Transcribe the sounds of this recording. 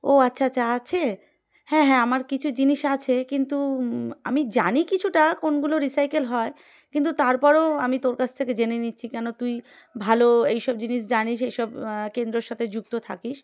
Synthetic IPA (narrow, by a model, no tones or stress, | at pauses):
oatːɕʰaatt͡ɕʰːaat͡ɕʰe | hɛ̃ɦɛ̃amaɾkit͡ɕʰud͡ʑiniʃat͡ɕʰekint̪ua̰mid͡ʑanikit͡ɕʰuʈakonɡuloɾisajkelɦɔe | kint̪̬ut̪aɾpɔɾoamit̪oɾkat͡ɕʰt̪ʰeked͡ʑenenitːɕʰikɛnot̪uj | bʱaloejʃɔb̚d͡ʑiniʃ̬d͡ʑaniʃejʃɔbkend̪ɾoɾʃat̪ʰed͡ʑuk̚t̪ot̪ʰa̰kiʃ